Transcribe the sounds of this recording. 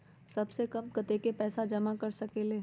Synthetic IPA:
sɐbsekɐmkɐt̪ekepɛːsad͡ʒɐmakɐɾsɐkeːleː

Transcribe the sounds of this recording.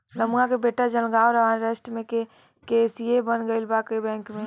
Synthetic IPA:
ləmuãkebeːʈad͡ʒəlɡaːoɾəɦanɾesʈmẽke | keːsiebənɡəɪlbaːkəibɛ̃ːŋkmẽ

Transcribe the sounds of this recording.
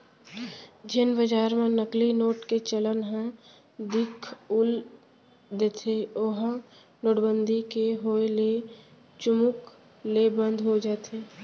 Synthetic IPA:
d͡ʒɪnbəd͡ʒaːɾmẽnəklinoːʈket͡ʃələnɦɛ̃ | d̪ɪkʰʊl | d̪eːt̪ʰeoɦ | loːɽbənd̪ʱikeɦoːele | t͡ʃʊmʊk | lebə̃nd̪ʱɦod͡ʒaːt̪ʰeː

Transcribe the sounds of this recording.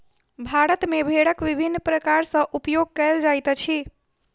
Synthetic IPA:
bʱaɾət̪mebʱeɽəkʋibʱinːpɾəkaɾsə̃ʔupjoɡ̚kəld͡ʒajt̪t͡ʃʰi

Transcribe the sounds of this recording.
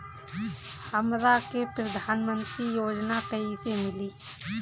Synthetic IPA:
həmɾakepɾəd̪ʱaːnmə̃nt̪ɾijoːd͡ʒnakəisemɪliː

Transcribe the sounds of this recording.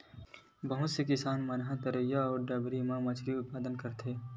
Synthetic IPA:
bɐɦʊt̪sekɪsaːnmɐnɦãt̪ɐɾəjaɔːɾɖaːbɾimãmɐt͡ʃʰɾiʊt̪̚paːd̪ənkɐɾt̪ʰeː

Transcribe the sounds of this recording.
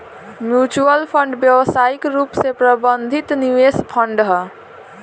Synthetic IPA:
mjut͡ʃuəlpʰəɳɖbjəʋəsaikɾupsepɾəbənd̪ʱit̪niʋespʰəɳɖɦə

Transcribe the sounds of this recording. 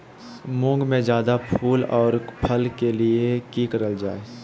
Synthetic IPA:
mʊ̃ːŋɡmẽd͡ʒjaːd̪apʰuːlɔːɾpʰəlkeliekiːkəɾəld͡ʒa̰ːe

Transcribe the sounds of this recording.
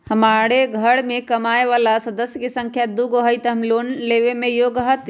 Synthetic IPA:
hɐmaːɽeɡʱɐɽmẽkɐmaːeʋaːlasɐd̪əsjəkesɐ̃ŋkʰjad̪uɡoɦəit̪əmloːnleːʋemẽjoːɡɦət̪

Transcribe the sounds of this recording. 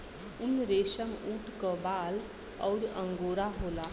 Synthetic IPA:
unɾesəmuʈʰkəbal | ɔ̰ʊɾəŋɡoːɾaɦola

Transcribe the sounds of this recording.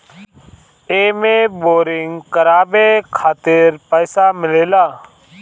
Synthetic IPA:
eːmẽːboːɾɪŋɡkəɾaːbeːkʰaːt̪ɪɾpəːsaːmɪleːlaː

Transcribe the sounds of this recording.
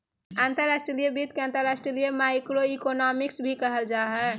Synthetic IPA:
ant̪əɾːasʈɾilijəbit̪keãnt̪əɾasʈɾilijəmajkɾoikonɔmiksbʱikəɦəld͡ʒaɦɛ

